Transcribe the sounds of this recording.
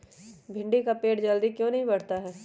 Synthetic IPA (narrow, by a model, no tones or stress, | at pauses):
bʱɪ̃ɳɖikapeːʈd͡ʒɐld̪ikjõːnɐɦĩbɐɽ̤t̪aɦɛː